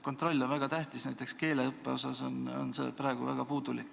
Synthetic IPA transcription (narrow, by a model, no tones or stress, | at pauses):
ko̞nt̪ro̞lʲːo̞nvæɡ̥ɑt̪æht̪isnæjt̪ːˑe̞kske̞ːle̞ɤpːe̞o̞sɑso̞no̞̰nse̞̰ːpɾɑˑeɡ̥uvæɡ̥ɑpuːd̪̥ulikː